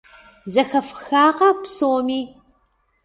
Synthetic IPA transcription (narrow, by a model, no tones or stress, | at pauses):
zɐxɐfxaːqɐpsoːmiː